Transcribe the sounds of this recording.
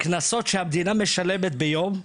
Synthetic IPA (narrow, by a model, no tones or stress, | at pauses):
knaso̞t̪ʃehamd̪iname̞ʃale̞met̪bejo̞m